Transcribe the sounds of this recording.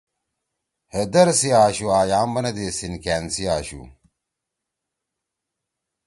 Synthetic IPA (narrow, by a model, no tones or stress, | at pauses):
hed̪ɐɾsiaːɕuaːjaːmbɐnɐd̪eːsinkæːnsiaːɕṵ